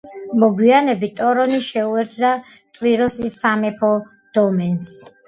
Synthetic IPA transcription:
mɔɡwianɛbit̪ʼɔɾɔniʃɛuɛɾt̪ʰd̪at̪ʼwiɾɔsisamɛpʰɔ | d̪̥ɔmɛns

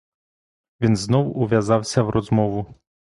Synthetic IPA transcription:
ʋʲinznɔwʊʋʲjɐzɑwsʲɐwɾɔzmɔʋʊ

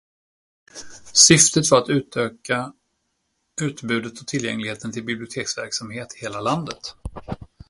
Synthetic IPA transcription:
sʏft̪ət̪fœɾat̪ʉ̟ːt̪ʰøːka | ʉ̟ːt̪bʉ̟ːd̪ət̪ʰɔt̪ʰɪljɛ̰ŋlɪɡheːt̪ənt̪ʰɪlbɪblɪʊt̪ʰeːksvæ̰ɾksamheːt̪ɪ̥heːlaland̪ət̪

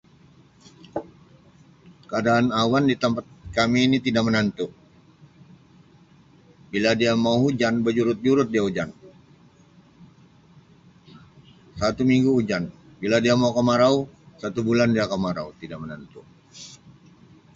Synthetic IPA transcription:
kəadaːnawandit̪əmpat̪̚kamiːnit̪idaʔmənənt̪ʊʔ | biladiamauhud͡ʒanbəd͡ʒuɾʊt̪̚d͡ʒuɾʊt̪̚diaud͡ʒan | sat̪umiŋɡuud͡ʒan | biladiamaukəmaɾausat̪ubulandiakəmaɾaut̪idaʔmənant̪ʊ

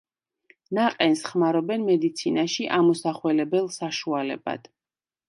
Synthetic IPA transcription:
naqʼɛnsχmaɾɔbɛnmɛd̪it̪sʰinaʃiʔamɔsaχwɛlɛbɛlˠsaʃualɛ̰ba̰d̪̥

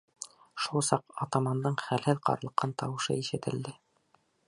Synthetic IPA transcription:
ʃulˠsɑqot̪omɑnd̪ɤɴχælhɘðqɑ̰ɾɤ̆lˠɤ̆qʰːɑnt̪ɑwɤ̆ʃɤ̰iʃɘ̆t̪ɘ̆ld̪ɘ

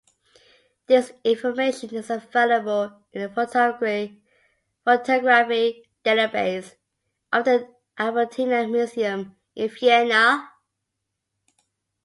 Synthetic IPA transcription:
ðɪsɪ̃ɱfəmeɪʃə̃nɪzəveɪləbəl | ɪ̃nðəfotʰɔɡɹ | fotʰɔɡɹafi | d̥eləbeɪs | ʔəfðə | ʔavətʰinəmjuziə̃m | ʔɪ̃nfiɛnə

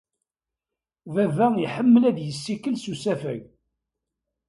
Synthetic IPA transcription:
vævæiħəmːəlæðjəsːikːəlsusæfæ̰ɡ

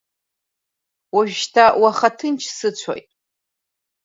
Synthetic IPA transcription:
waʒtʰawaχatʰɨnt͡ʃʰsɨt͡ɕʷʰa̰jtʼ

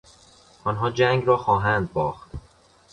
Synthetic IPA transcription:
ʔɒːnɦɒːd͡ʒæŋɡɾɒːxɒːɦænd̪̚bɒːxt̪

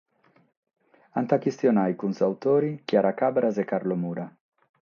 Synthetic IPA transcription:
ant̪akist̪jonajkunzawt̪oɾikjaɾakabɾazekaɾlomuɾa

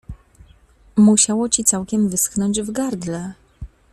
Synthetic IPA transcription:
muɕawɔt͡ɕit̪sawkʲɛmvɘsknɔɲd͡ʑvɡaɾd̪lɛ

